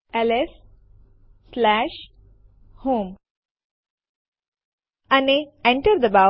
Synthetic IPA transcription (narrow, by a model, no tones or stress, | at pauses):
elesː | læʃ | hoːm | aniẽɳʈəɾd̪əba